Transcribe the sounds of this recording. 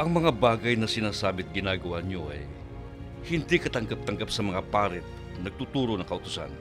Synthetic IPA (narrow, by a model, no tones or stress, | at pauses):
ʔɐŋmɐŋabaːɡɐjnɐsɪnaːsaːbɪt̪̚ɡɪnaːɡɐwaɲoʔɐ̰j | hɪnd̪ikɐt̪ɐŋɡap̚t̪ɐŋɡapsɐmɐŋapaːɾɪt̪̚ | nɐɡ̚t̪ut̪uːɾonɐŋkɐʔʊt̪ʊ̥sa̰n